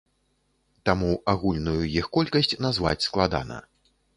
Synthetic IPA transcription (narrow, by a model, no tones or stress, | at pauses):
t̪amuaɣulʲnujujixkɔlʲkɐsʲt͡sʲnazva̰t͡sʲsklˠad̪a̰nɐ̰